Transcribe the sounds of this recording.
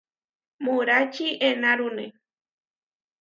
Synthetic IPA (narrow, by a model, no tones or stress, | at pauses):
muɾat͡ʃiʔenaɾune